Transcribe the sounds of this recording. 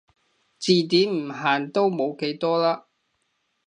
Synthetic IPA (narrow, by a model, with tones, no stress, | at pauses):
t͡siː˨t̪̬iː˨˥mm̩˨˩ɦaː˨˩nt̪o˥wmo˨˧wke˨˥jt̪ɔː˥laː˥